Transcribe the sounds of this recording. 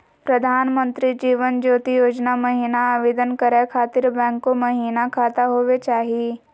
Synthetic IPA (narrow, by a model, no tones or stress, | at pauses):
pɾɐd̪ʱaːnmə̃nt̪ɾid͡ʒiːʋənd͡ʒoːt̪ijoːd͡ʒnamɐɦiːnaaʋeːd̪ənkəɾakʰaːt̪ɪɾbɛ̃ːŋkːomɐɦiːnakʰaːt̪aɦoːʋet͡ʃaːɦie